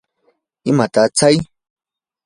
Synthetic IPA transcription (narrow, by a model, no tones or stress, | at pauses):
ɪmat̪at͡saj